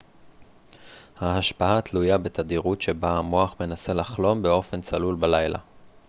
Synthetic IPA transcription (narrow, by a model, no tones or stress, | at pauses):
haaʃpaatlujabe̞t̪ad̪iʁutʃe̞baamoaχme̞nase̞laχlo̞mbe̞o̞fe̞nt͡salulbalajla̰